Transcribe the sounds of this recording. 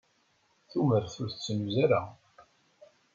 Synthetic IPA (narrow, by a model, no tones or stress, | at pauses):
θuməɾθʊɾθt͡sːənuzaɾa